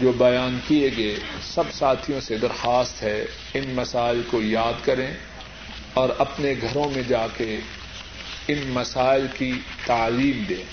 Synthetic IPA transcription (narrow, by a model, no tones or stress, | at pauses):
d͡ʒoːbɐjaːnkieɡesɐbsaːt̪ʰijõsed̪ɐɾxaːst̪ɦɛ | ɪnmɐsaːɪlkojaːd̪kɐɾẽ | ɔːɾɐpneɡʱɐɾõmẽd͡ʒaːke | ɪnmɐsaːɪlki | t̪aːliːmd̪ẽː